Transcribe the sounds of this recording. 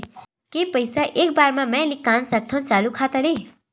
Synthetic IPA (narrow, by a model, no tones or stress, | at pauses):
kepəjsaʔek̚baɾmamɛ̃likansak̚t̪ʰõnt͡salukʰat̪əɾe